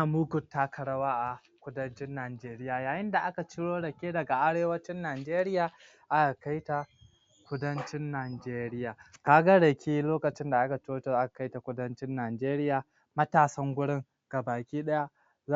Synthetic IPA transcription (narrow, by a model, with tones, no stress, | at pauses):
muː˦ɡʊ˨tːa˦kʰɐ˨ɽɐ˦waː˦ʔa˨ | kʷʊ˦dɐ˦nt͡ʃɪ˦nːaː˨d͡ʒeː˦ɾɪ˦jaː˨jaː˨jɪ˦nda˨ʔa˦ka˨t͡ʃɪ˦ɽoː˦ɽɐ˨kʲeː˦dɐ˨ɡa˨ʔa˦ɽeː˦wɐ˦t͡ʃɪ˦nːaː˨d͡ʒeː˦ɾɪ˦jaː˨ | ʔa˦ka˨ka˦jta˨ | kʷʊ˦dɐ˦nt͡ʃɪ˦nːaː˨d͡ʒeː˦ɾɪ˦jaː˨kaː˦ɡa˦ɽɐ˨kʲiː˦loː˦kɐ˨t͡ʃɪ˦nda˨ʔa˦ka˨t͡ʃɪ˦oː˦t͡ʃʔa˦ka˨ka˦jta˨kʷʊ˦dɐ˦nt͡ʃɪ˦nːaː˨d͡ʒeː˦ɾɪ˦jaː˨ | mɐ˦taː˨sɐ˦ŋɡʷʊ˦ɽɪ˦ŋ | ɡ̥a˨baː˨kʲiː˦ɗɐ˦ja˦ | a˦